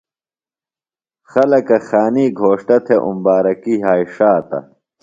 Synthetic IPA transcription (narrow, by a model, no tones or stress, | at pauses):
xɐlɐkɐxaːniːɡʱoːʂʈɐt̪ʰeʔṵmbaːɾɐkiɦaːiʂaːt̪ɐ̰